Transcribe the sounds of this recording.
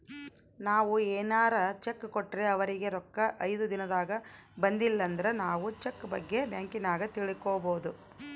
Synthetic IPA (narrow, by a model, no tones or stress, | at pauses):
naːʋueːnaːɾɐt͡ʃekːkoʈːɾe̞ɐʋɐɾiɡe̞ɾɔkːɐʔɐjd̪ud̪inɐd̪aːɡɐbɐnd̪ilːɐnd̪ɐɾe̞naːʋut͡ʃekːbɐɡːe̞bjaːŋkinaːɡɐt̪iɭikoːboːd̪u